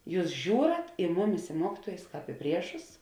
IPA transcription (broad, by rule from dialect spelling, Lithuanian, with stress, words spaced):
ˈjuːs ˈʒʲuːrɐt ɪ ˈmʊˌmʲɪs ɪ ˈmuɔkʲɪtuɔjʊs ˈkɑːp ɪ ˈpʲrʲiɛʃʊs